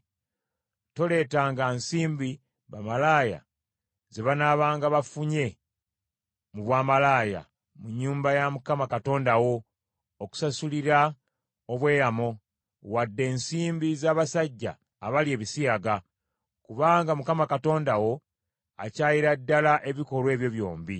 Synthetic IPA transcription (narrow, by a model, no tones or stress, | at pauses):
to̞le̞ːtaːŋɡansiːmbi | βamalaːja̰ | zeβanaβaːŋɡaβafuɲe̞ | muβwaːmalaːja̰ | muɲːuːmbajamukamakato̞ːndawo̞ː | ku̥sasuliɾa | oβwe̞ːɾamo̞ | wadːe̞ːnsiːmbizaːβasaɟːa̰ː | βalie̞ːβisiaɡa | kuβaːŋɡamukamakato̞ːndawo̞ | a̰caːjiɾadːalaʔe̞βiko̞lwe̞ːβjo̞βjo̞̰ːmbi